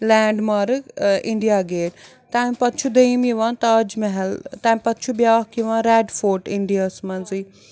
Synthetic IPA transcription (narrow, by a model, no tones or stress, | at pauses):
lɛːɳɖmaːɾɨiɳɖijaːɡeːʈ | t̪ãːmpɐt̪t͡ʃʰud̪ɐimiʋãːnt̪aːd͡ʒmɐɦɛlt̪ãːmpɐt̪̚t͡ʃʰubjaːkiʋãːnɾɛːɖfoːʈiɳɖijaːsmɐnziː